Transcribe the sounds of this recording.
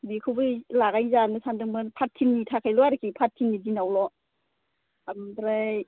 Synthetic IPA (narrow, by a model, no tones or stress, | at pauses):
bikʰɯwbɯlaɡajzanɯsʰandɯŋmɯnpʰatʰːinːitʰakʰajlɔaɾɯkipʰatʰːinːidinawlɔ | ambɾaj